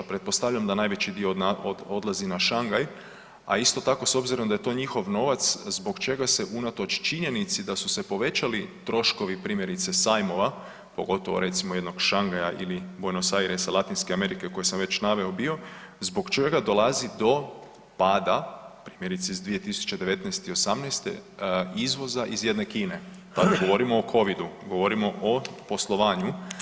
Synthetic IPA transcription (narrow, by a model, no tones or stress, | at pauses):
pɾe̞t̪̚po̞st̪aʋʎamd̪anaːjʋe̞t͡ɕid̪iood̪lˠazinaʃaŋɡaj | a̰ist̪o̞t̪ako̞so̞bziɾo̞md̪aje̞t̪o̞ːɲixo̞ʋno̞ʋat̪szbo̞ɡt͡ʃe̞ɡase̞ʔunat̪o̞t͡ʃt͡ʃiɲe̞nit̪sid̪asuse̞po̞ʋe̞t͡ʃalit̪ɾo̞ʃko̞ʋipɾiːmje̞ɾit̪se̞sajmo̞ʋa | po̞̰ɡo̞t̪oʋo̰ɾe̞t̪simojed̪no̞ɡʃaŋɡajaʔilibojnosaiɾesalˠat̪inskeame̞ɾike̞ko̞jesamʋe̞t͡ɕnaʋe̞obio̞zbo̞ɡt͡ʃe̞ɡad̪o̞lˠazid̪o̞ | paːd̪apɾiːmje̞ɾit̪seizd̪ʋije̞t̪isu̥t͡ʃe̞d̪e̞ʋe̞t̪nɛjst̪io̞samnɛjst̪ḛizʋo̞zaʔizje̞d̪nekiːne̞ | t̪ad̪aɡo̞ʋo̞ɾimoːkʰo̞ʋid̪uɡo̞ʋo̞ɾimo̞ʔopo̞slˠo̞ʋaːɲu